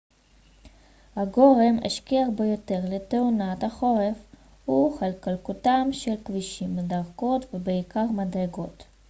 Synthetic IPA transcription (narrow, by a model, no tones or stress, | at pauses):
haɡo̞ʁemḛʃkiaχbejo̞t̪e̞ʁleteunathaχo̞ʁef | huχalkalkutamʃelkviʃimːedaʁko̞tvebeikaʁmadʁeɡo̞t